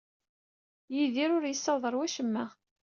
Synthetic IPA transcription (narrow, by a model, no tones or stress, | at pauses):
jiðiɾʊɾjəsːɑðˤəɾˤwæʃəmːæ